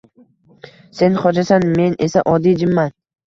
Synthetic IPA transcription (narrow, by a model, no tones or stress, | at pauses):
se̞nχɒd͡ʒasanme̞ne̞saʔɒd̪ijd͡ʒɪmman